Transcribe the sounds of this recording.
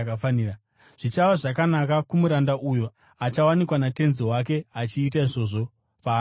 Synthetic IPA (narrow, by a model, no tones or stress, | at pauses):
kafania | ʐ̥it͡ʃaʋaʐakanakakumuɾandaʔujo | at͡ʃawanikwanate̞nziwak̬e̞at͡ʃiːt̬aiʐo̞ʐo̞ | paː